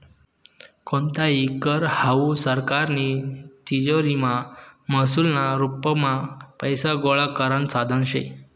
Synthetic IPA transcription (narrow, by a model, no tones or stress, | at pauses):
kont̪aɦikəɾhausəɾkaɾnit̪id͡ʑoɾimaməsulnaɾupːəmapəjsaɡoɭakəɾənsad̪ʱənɕḛj